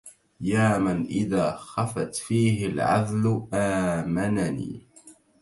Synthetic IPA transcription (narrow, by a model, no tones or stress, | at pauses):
jaːmanʔɪðaːxafat̪fiːɦɪlʕa̰ðlʔaːmananḭː